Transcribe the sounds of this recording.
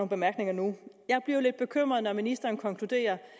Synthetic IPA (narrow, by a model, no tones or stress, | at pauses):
oːn̩b̥e̝mæɐɡ̥ne̝ŋɐnujɑ̈ɪb̥liɐled̥̚b̥e̝kʰøm̰ʁɐð̞̩ˠnɒminisd̥ɐːnkʰɒ̽ŋkʰlud̥e̝̰ːɐ